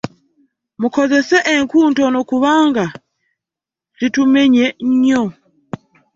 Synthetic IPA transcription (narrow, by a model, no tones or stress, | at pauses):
mukozeseʔeŋkuːntonokuβaːŋɡa | zitumeɲeɲɲo